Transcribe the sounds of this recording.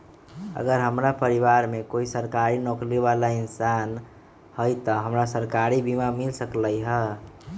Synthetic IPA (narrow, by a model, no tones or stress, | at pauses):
ə̰ɡəɾɦəmɾapəɾiβaɾmekoisəɾkaɾinokliʋalaɪnsan | həjt̪əɦəmɾasəɾkaɾibimamilsəkləjɦə